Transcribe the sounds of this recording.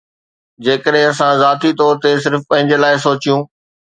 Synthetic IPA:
d͡ʑeːkəɗɦɪ̃ɐsãzaːt̪it̪ɔːɾt̪es̬ɪɾfpɐ̃ɦɪ̃ɲd͡ʑelaːɪsoːt͡ɕijũː

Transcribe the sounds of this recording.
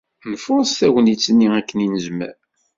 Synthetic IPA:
nəfʊɾˤst̪æwənit͡sːənːiækːəninəzmæ̰ɾ

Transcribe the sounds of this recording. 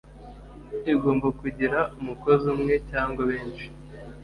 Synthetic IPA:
iɡo̞ːmbakuɟiɾaumuko̞zimŋe̞caːŋɡwaβe̞ːnʃi̥

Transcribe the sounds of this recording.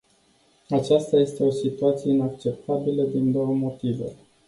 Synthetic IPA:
at͡ʃast̪aje̞st̪e̞o̞sit̪uat̪sijeinakt͡ʃe̞p̚t̪abiləd̪ind̪o̞wəmo̞t̪ivḛ

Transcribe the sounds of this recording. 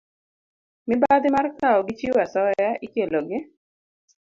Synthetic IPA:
mɪbad̪ɪmarkaɔɡɪt͡ʃiwasɔjaʔikeloɡɪ

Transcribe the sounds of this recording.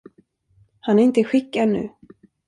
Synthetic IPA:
hanæɾɪnt̪əɧɪkːad̪nʉ̟̰ː

